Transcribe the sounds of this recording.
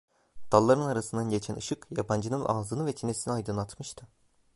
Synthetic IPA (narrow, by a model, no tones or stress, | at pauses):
d̪̥alˠːaɾɯnaɾasɯnd̪anɟe̞t͡ʃʰænʔɯʃɯkjapʰand͡ʒɯnɯnʔaːzɯnɯvɛt͡ʃʰinesiniajd̪ɯnat̪mɯʃt̪ʰɯ